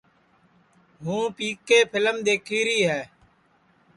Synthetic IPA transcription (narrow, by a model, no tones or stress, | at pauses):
ɦũːpiːkeːpʰɪləmd̪eːkʰiːɾiːɦɛː